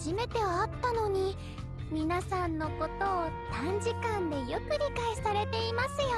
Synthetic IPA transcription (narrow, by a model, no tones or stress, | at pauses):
ʑime̞t̪e̞βaːt̪ːano̞ɲ̟i | mʲinasãnːo̞ko̞t̪oːsãɲ̟d͡ʑikãnd̪e̞jokɯ̟ɾʲikaisaɾe̞t̪e̞imasɨjo